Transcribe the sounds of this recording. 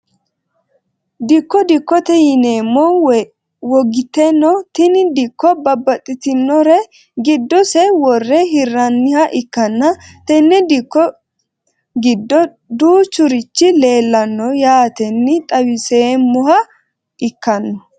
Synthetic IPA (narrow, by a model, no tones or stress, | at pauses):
d̪ɪkːɔd̪ɪkːɔt̪ɛjɪneːmːɔ | wɔɡɪt̪ɛnːɔt̪ɪnɪd̪ɪkːɔbɐbːɐt̪ʼːɪt̪ɪnːɔɾɛ | ɡɪd̪ːɔsɛwɔrːɛɦɪrːɐnːɪhɐʔɪkːɐnːɐt̪ɛnːɛd̪ɪkːɔ | ɡɪd̪ːɔ | d̪uːt͡ʃʊɾɪt͡ʃːɪle̞ːlːɐnːɔjaːt̪ɛnːɪt̪ʼɐwɪseːmʊhɐ | ʔɪkːɐnːɔ